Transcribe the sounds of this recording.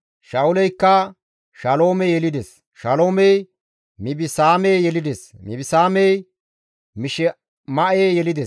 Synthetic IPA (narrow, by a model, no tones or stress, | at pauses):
ʃɐʊlɛjkːɐ | ʃɐlo̞ːmɛjɛlɪd̪es | ʃɐlo̞ːmɛj | mɪbɪsaːmɛjjɛlɪd̪esmɪbɪsaːmɛj | mɪʃɛ | mɐʔeːjɛlɪd̪ɛs